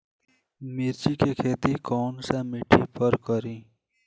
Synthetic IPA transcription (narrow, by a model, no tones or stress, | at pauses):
miɾt͡ʃikekʰeːt̪ikoːnsemiʈʰipʰəɾkəɾĩː